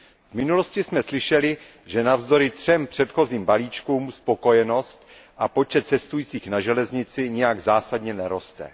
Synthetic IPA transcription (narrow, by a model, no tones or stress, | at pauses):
vmɪnulo̞scɪsmɛslɪʃɛlɪ | ʒɛnavzd̪o̞ɾɪt̪r̝̥ɛmpr̝̥ɛt̪xo̞ziːmbaliːt͡ʃkuːmspo̞ko̞jɛno̞st̪ | ʔapo̞t͡ʃɛt̪̚t͡sɛst̪ujiːt͡siːxnaʒɛlɛzɲɪt͡sɪɲɛjaɡzaːsadɲɛnɛɾo̞st̪ɛ̰